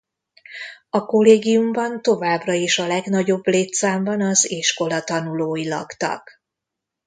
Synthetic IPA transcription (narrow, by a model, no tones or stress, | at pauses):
ɒko̞leːɡijumbɒnt̪o̞vaːbrɒeːʃɒlɛɡnɒɟo̞bleːt̪saːmbɒnɒziʃko̞lɒt̪ɒnuloːjilɒ̰kt̪ɒ̰k